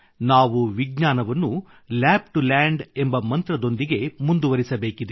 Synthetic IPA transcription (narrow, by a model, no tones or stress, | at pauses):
naːʋuʋiɡɲaːnɐʋɐnːu | laːb̚ʈulaːɳɖe̞mbɐmɐnt̪ɾɐd̪o̞nd̪iɡe̞mund̪uʋɐɾisɐbeːkid̪